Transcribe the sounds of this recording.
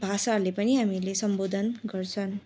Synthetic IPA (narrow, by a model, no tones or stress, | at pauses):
bʱasalepʌniɦamilesʌmbod̪ʱʌnɡʌrt͡sʰʌn